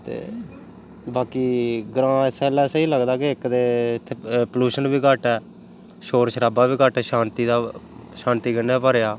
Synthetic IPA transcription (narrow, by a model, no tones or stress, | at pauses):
t̪ḛː | baːkiːɡɾãːsɛːlɛːsəiːləɡd̪aːkeɪkd̪eːt̪ʰːeːpəluːʃənbiːkəʈɛː | ʃoːɾʃəɾaːbaːbiːɡəʈɛːʃaːnt̪iːd̪aː | ʃãːnt̪iːɡəneaːpəɾjaː